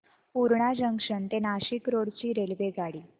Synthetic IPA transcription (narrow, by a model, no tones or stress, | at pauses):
puɾɳad͡ʑəŋkʂənt̪enaɕiːkɾoɽt͡ɕiːɾelʋeɡʱaɽiː